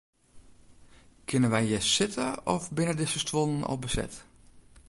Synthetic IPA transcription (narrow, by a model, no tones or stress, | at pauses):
kʰɪnənʋɛjjɛsɪtʰəɔfbɪnədɪsəstʋonənɔ̰lˠbəsɛ̰t